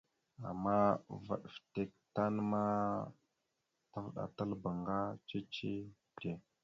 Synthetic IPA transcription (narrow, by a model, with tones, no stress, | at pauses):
a̰˨mːa˦va̰˨ɗfte˨k̚ta˦n˦ma˦ | ta˦vɗa̰˨ta˦lba˨ŋɡa˦t͡ʃe˦t͡ʃe˦ | te˨